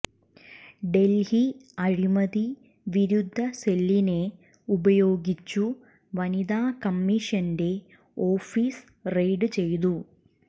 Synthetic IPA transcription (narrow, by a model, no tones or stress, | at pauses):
ɖe̞lhiɐɻimɐði | ʋiɾud̪ʱːɐse̞lːine̞ | ubɐjo̞ːɡit͡ɕːu | ʋɐnid̪aːkɐmːiʂɐnde̞ | o̞ːfiːs | rejɖɨt͡ɕe̞jt̪̬u